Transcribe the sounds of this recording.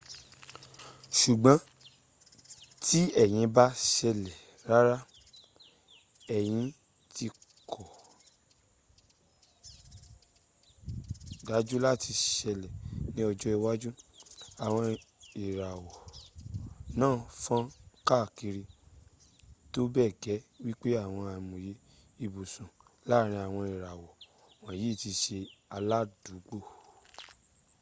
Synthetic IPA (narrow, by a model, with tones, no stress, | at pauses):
ʃu˨ɡ͡bã˨˦ | tʰi˦ɛ˦˨j̃ĩ˨˦ba˦ʃɛ˧lɛ˨ | ɾa˦ɾa˦ | ɛ˨j̃ĩ˧ | tʰi˧kʰɔ˨ | da˨˦d͡ʒu˦la˦˨ti˧ʃɛ˧lɛ˨nĩ˦ɔ˧d͡ʒɔ˦i˧wa˦d͡ʒu˦a˨w̃ɔ̃˧i˨ɾa˨wɔ˨ | nãː˦˨fã˦ka˦˨ki˧ɾi˧ | to˦bɛ˦˨ɡɛ˨˦wi˦k͡pe˦a˦˨w̃ɔ̃˧a˨mõ˨je˨˦ | i˧bu˨sũ˨ | la˦˨ɾ̃ĩ˧˦a˨w̃ɔ̃˧i˨ɾa˨wɔ˨ | wã˨ji˨˦˨ti˧ʃe˧a˧la˦du˨˦ɡ͡bo˦˨